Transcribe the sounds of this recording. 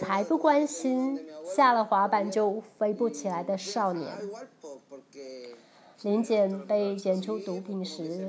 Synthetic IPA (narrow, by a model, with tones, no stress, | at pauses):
a˧˥ɪpu˥˩kwa˥nɕi˥nɕja˥˩lə˨˩xwa˧˥pa˨˩nt͡ɕjo˥˧ʊfe˥ɪpu˥˩t͡ɕʰi˨˩la˧˥ɪd̪ə˧ʂɑ˥˩ʊnjɛ̰˧˥n | li˧˥nt͡ɕjɛ˨˩npe˥˩ɪt͡ɕjɛ˨˩nʈ͡ʂʰu˥t̪u˧˥pi˨˩ŋʂɻ̩˧˥